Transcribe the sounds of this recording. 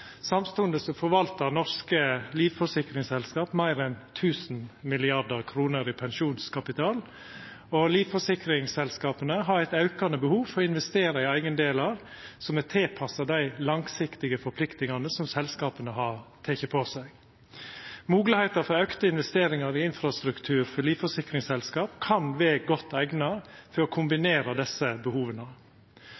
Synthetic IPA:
sɑmst̪ʉnd̪əsɔfɔɾʋɑlt̪əɾnɔɾskəliːʋfɔsɪkɾɪŋsɛlskɑːpmæɪɾɛnt̪ʰʉːsnmɪlɪɑd̪əɾkʰɾuːnəɾɪpʰɛnʃuːnskʰɑpɪt̪ʰɑːl | ɔliːʋfɔʂɪkɾɪŋsɛlskɑːpənəɦɑɾæɪt̪ɑʉkɑnəbəhuːʋfɔɾɪnʋɛst̪eːɾɑɪæɪɡənd̪eːlɑɾ | sɔmɛt̪ʰeːpʰɑsɑd̪æɪlɑŋsɪkt̪ɪɡəfɔɾpʰlɪkt̪ɪŋɑnəsɔmsɛlskɑːpənəɦɑɾt̪ʰeːçəpʰɔsæɪɡ | muːɡlɪhæɪt̪əɾfɔɾøːkt̪əɪnʋɛst̪eːɾɪŋɑɾɪɪnfɾɑst̪ɾʉkt̪ʰʉːɾfɔliːʋfɔʂɪkɾɪŋsɛlskɑːpkʰɑnʋɛːɡɔt̪ːæɪɡnɑfɔɾɔkʰʊmbɪneːɾɑd̪ɛsəbəhuːʋənə

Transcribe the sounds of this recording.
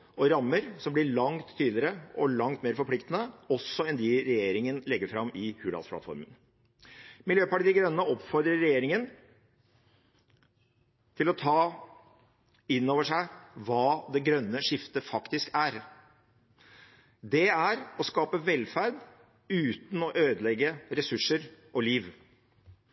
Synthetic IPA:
ɔɾɑmːəɾsɔmblɪɭɑŋt̪ʰːiːd̪lɪəɾəɔlɑŋt̪meːɾfɔɾpʰlɪkt̪ənəɔsːɔɛnd̪ɪɾɛjeːɾɪŋənlɛɡːəɾfɾɑmːɪhʉːlɑ̰spʰlɑ̰t̪fɔ̰ɾmən | mɪljøːpɑʈid̪ɪɡɾœnːəɔpfɔɾd̪ɾəɾɛjeːɾɪŋən | t̪ʰɪlɔt̪ʰɑː | ɪnːoːʋəʂæɪʋɑːd̪ɛɡɾœnːəʂɪft̪əfɑkt̪ɪskæɾ | d̪ɛæɾɔskɑːpəʋɛlːfæɾd̪ | ʉːt̪n̩ɔʔøːd̪əlɛɡːəɾɛsʉʂːəɾʔɔliːʋ

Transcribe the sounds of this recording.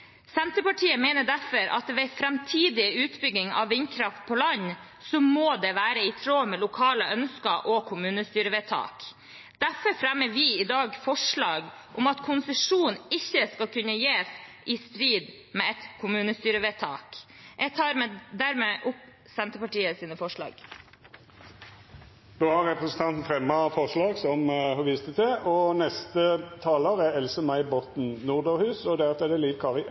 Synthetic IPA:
sɛnt̪əpɑʈʰiːəmeːnəɖæfɔɾʔɑ̰t̪ʋæfɾɛmt̪ʰiːd̪ɪʉːt̪bʏɡɪŋɑ̰ʋːɪnkʰɾɑft̪̚pʰɔlɑɲ | sɔmoːd̪ɛʋæːɾəɪt̪ʰɾoːmɛlʊkʰɑːləʔœnskɑʔɔkʰʊmʉːnəst̪yːɾəʋet̪ʰɑ̰ːk | d̪̥æɾfɔɾfɾæmːəɾʋɪɪd̪ɑːɡfɔʂɭɑːɡ | ʔɔmɑt̪kʰʊnsəʂuːnɪçːəskɑlkʉnːəjeːsʔɪst̪ɾiːd̪ | meːɛt̪kʰʊmʉːnəst̪yːɾəʋeːt̪ʰɑ̰ːkjɛɡ̚t̪ʰɑːɾmeːd̪æɾmeʔʊp | sɛnt̪əpɑʈiːəsiːnəfɔʂɭɑ̰ːɡ̥ | d̪̥oːhɑʁʁɛpɾɛsən̩t̪ʰɑnt̪n̩fɾɛmːɑfɔʁʂlɑːɡsɔmhɑʋiːst̪ət̪ʰɛʔɔnɛst̪ət̪ʰɑːləʁæɛlsəmæɪbɔt̪n̩nuːʁd̪əːhʉːsɔd̪æɾft̪ɛd̪ɛliːʋkʰɑːʁɪ

